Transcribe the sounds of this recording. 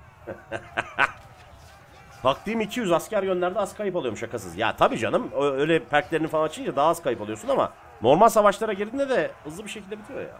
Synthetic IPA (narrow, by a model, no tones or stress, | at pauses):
t̪ʰak̚t̪ijmicʰijyzascæɾjønlʲæɾd̪ɛaz̥kʰajɯpalˠuo̞muʃakasɯ̰zja̰ːt̪ʰabiːd͡ʒa̰nɯmøjlʲɛpʰæɾclʲeɾninfalˠant͡ʃʰind͡ʒad̪aɦaːz̥kʰajɯpalˠujo̞sunama̰ | no̞ɾmalʲs̬avat͡ʃlˠaɾaɟiɾd̪ind̪ɛd̪ɛhɯzlˠɯbiʃecʰilʲd̪ɛbit̪ʰijo̰ja̰ː